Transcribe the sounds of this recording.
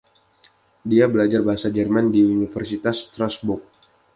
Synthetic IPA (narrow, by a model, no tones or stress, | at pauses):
diabəlad͡ʒarbaɦasad͡ʒɛrmandiunifɛrsit̪ast̪ɾasbuk̚